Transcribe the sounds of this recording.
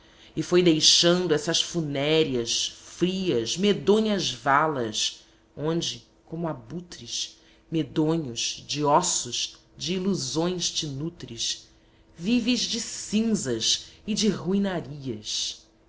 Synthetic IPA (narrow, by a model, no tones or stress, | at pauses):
ɪfojd̪ejʃɐ̃nd̪ʊɛsɐʃfunɛɾiɐʃfɾiɐzmed̪õɲɐzvalɐʃ | õnd͡ʒɪ | kõmʊabut̪ɾiʃ | med̪õɲʊz̥d͡ʒɪɔsʊz | d͡ʒɪːluzõj̃ʃt͡ʃɪnut̪ɾiʃ | vivɪʒd͡ʒɪsĩŋzɐʃɪd͡ʒɪɦuĩnaɾiɐʃ